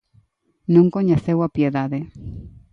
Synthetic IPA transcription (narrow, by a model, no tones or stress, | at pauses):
nõŋkoɲeθewapjeðaðe